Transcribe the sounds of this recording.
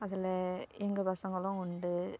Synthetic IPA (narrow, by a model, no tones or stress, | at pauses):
ɐðɪlɐɛŋɡɐpɐsɐŋɡɐɭʊ̃ʊɳɖɯ